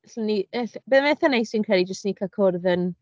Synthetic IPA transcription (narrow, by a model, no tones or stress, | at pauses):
ɬəniɛɬbəːðmɛθanejsinkʰɛlˠid͡ʒəstnikʰakʰɔrðən